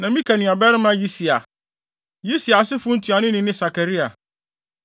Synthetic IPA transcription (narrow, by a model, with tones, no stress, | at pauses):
nã˨mĩ˦kʰa˨nĩ˨a˨bɛ˦ɾɪ˦mã˦ji˦si˨a̰˨ | ji˦si˨a˨sɪ˦fʊ̃˦n̩˦tʰu˨a˨nʊ̃˦nɪ̃˨nɪ̃˦sa˨kʰa˨ɾi˦a˨